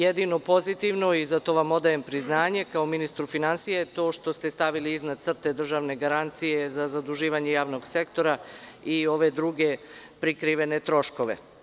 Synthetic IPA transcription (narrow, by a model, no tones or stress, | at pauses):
jed̪ino̞po̞zit̪iʋno̞izat̪o̞ʋamo̞d̪ajempɾiznaːɲe̞kaominist̪ɾufinansijet̪o̞ːʃt̪o̞st̪est̪aʋiliiznad̪t̪sr̩t̪e̞d̪r̩ʒaʋne̞ɡaɾant̪sijezazad̪uʒiːʋaɲejaːʋno̞ɡse̞kt̪o̞ɾaio̞ʋe̞d̪ɾuɡe̞pɾikɾiʋe̞ne̞t̪ɾo̞ʃko̞ʋe̞̰